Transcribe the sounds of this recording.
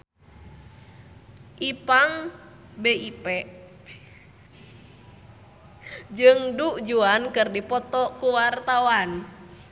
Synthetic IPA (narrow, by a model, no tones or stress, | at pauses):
ʔipaŋ | beipɛʔ | d͡ʒɨŋduʔd͡ʒuankɨrdipɔt̪ɔkuwart̪awan